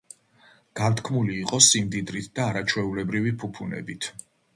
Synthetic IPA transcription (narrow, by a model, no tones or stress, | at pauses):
ɡ̥ant̪kʰmuliːqʼɔsimd̪id̪ɾit̪ʰd̪aːɾat͡ʃʰwɛulɛbɾivipʰupʰunɛ̰bit̪ʰ